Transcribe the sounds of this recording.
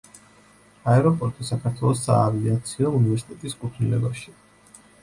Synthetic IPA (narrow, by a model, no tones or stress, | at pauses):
aɛɾɔpʼɔɾt̪ʼisakʰaɾt̪ʰwɛlˠɔsːa̰ːviat̪sʰiɔunivɛɾsi̥t̪ʼɛt̪ʼiskʼut̪ʰnilɛ̰baʃi